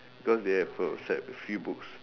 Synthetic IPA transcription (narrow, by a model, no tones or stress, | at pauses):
bikɔsdehɛfəsɛ̰t̚fjubuks